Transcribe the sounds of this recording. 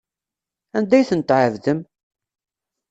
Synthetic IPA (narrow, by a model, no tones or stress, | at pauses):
ænd̪æjθənt̪ʕəvðəm